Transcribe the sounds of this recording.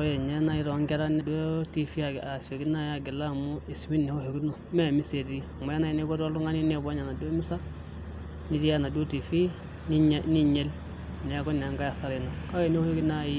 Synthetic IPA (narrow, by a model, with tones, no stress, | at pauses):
o˦je˨ɲe˦na˦i˦ɾo˨˦ŋɡe˦ɾa˦ne˨do˦ti˦fi˦a˨a˨so˨ɡi˦na˦ja˦˨ɡi˨la˦mu˦i˨si˨mi˦nːi˨ho˦ho˨ɡi˦no˨me˦˨mi˦se˨di˦˨mo˨ja˦na˦i˨˦ne˦ɡo˦do˦lu˦ŋa˦ni˦ne˦˨bo˦ɲa˨na˨do˦mi˦sa˦ | ni˦di˦ja˦˨na˨do˦ti˨fi˦ | ni˦ɲe˦l | ne˨˦ko˦n˨a˨ŋɡa˦ja˨sa˨ɾi˨no˨ka˦e˨n˦o˦ho˦ɡi˦na˦˨ji˦